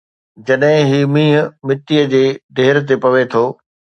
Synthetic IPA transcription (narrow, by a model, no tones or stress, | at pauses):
d͡ʑɐɗɦɪ̃ɦiːmĩːɦəmɪt̪iːəd͡ʑeːɖeːɪɾt̪̬epɐʋet̪ʰoː